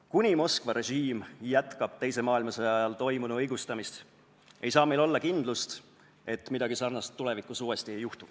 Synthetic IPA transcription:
kunʲimo̞skvɑɾe̞ʒiːmjæt̪kɑb̥t̪e̞jse̞mɑːilmɑsejɑjɑlt̪o̞jmunuɤjɡ̥ust̪ɑmist̪ | ʔe̞jsɑːme̞jlo̞lːɑkind̪̥lust̪ | e̞t̪ːmid̪ɑɡ̥isɑrnɑst̪ːule̞vikːˑusuːest̪ie̞jːuht̪u

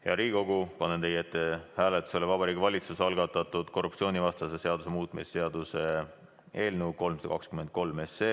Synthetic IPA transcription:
jɑɾiːko̞ɡupɑnːent̪e̞jet̪ːˑehæːlet̪ːˑu̥selːevɑbɑɾiːɡivɑlʲit̪susɑlɡɑt̪ːˑɑt̪ːˑud̪̥ko̞rːupt͡ssio̞ːnʲivɑst̪ɑsese̞ɑd̪use̞muːt̪ˑmisse̞ɑd̪use̞ | e̞ːlnəwko̞lmsɑd̪̥ɑkɑkskymed̪̚ko̞lme̞seː

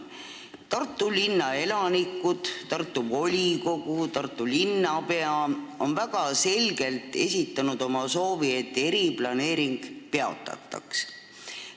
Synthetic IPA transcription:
t̪ɑrt̪ːˑulinːɑe̞lɑnikːˑud̪̥t̪ɑrt̪ːˑubo̞lʲiko̞ɡ̥ut̪ɑrt̪ːˑulinːɑpe̞ɑo̞nvæɡ̥ɑse̞lʲɡe̞lt̪ˑe̞̰sʲit̪ːˑɑnud̪̥o̞mɑso̞ːvie̞t̪ːˑe̞ɾiplɑne̞ːɾiŋɡ̥pe̞ɑ̰t̪ːˑɑ̰t̪ːˑɑ̰ks

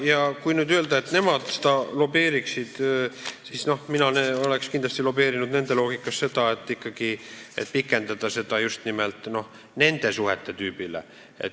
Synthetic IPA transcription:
jɑkujnyːd̪yø̞ld̪ɑet̪ːne̞mɑd̪̥se̥d̪ɑlo̞be̞ːɾiksid̪̥sisno̞hminɑneo̞le̞kskind̪lɑst̪ilo̞be̞ːɾinud̪ne̞nd̪e̞loːɡ̥ikːˑɑsse̞d̪̥ɑe̞t̪ːˑikːɑɡ̥iḛt̪̚pikːˑe̞nd̪ɑd̪ɑse̞d̪ɑjust̪nimelt̪ˑno̞h | ne̞nd̪̥e̞suhet̪ˑːe̞t̪yːbilḛ | ḛt̪

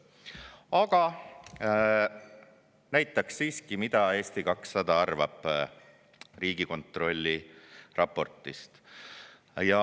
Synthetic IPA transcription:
ɑɡ̥ɑ | næjt̪ːˑɑksːiːskimid̪̥ɑe̞ːst̪ikɑksːɑd̪̥ɑɑrvɑ̰b̥ | riːɡ̥iko̞nt̪ˑro̞lʲːirɑpːo̞rt̪ˑist̪ | jɑ

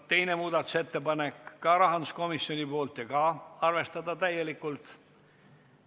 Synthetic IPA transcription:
t̪e̞jne̞muːd̪ɑt̪ːˑu̥se̞t̪ːe̞pɑnekːɑɾɑɦɑnd̪usko̞misjonʲipo̞ːlt̪jɑkɑɑrve̞st̪ɑd̪̥ɑt̪æje̞likːult̪

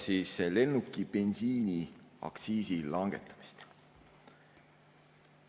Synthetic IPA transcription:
sisele̞nːukːipe̞nsiːniɑ̰ksiːsilɑŋɡ̥e̞̰t̪ːˑɑ̥mi̥st̪

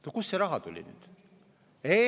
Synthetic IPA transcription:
t̪okusːeɾɑɦɑt̪ulʲḭny̰ːd̪̥ | e

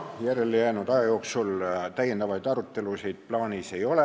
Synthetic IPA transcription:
jæɾelijæːnud̪̥ɑjɑjo̞ːksult̪æjend̪ɑvɑjd̪̥ɑɾut̪ːˑe̞lusejd̪̥̚plɑːnise̞jo̞le

